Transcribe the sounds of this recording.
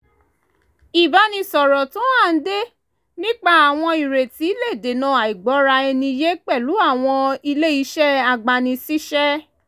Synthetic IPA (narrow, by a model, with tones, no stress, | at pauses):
i˨ba˨˦nĩ˧sɔ˨ɾɔ˨tũ˦a˦˨n̩˦de˦ | nĩ˦k͡pa˦a˨w̃ɔ̃˧i˨ɾe˨ti˨˦i˦le˦˨de˨nã˦˨a˨i˨ɡ͡bɔ˨˦ɾa˧ɛ˧nĩ˧je˦k͡pɛ˦˨lu˨˦a˦˨w̃ɔ̃˧i˧le˦i˨˦ʃɛ˦a˨ɡ͡ba˨˧nĩ˧si˦ʃɛ˦